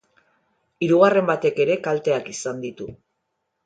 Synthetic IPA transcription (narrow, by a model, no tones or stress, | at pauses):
iɾuɣare̞mbat̪e̞ke̞ɾe̞kalt̪e̞akisand̪it̪u